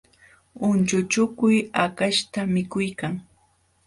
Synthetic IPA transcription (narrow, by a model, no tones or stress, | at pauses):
ʊnt͡ʃʊt͡ʃʊkʊjakaʃt̪amɪkʊjkaŋ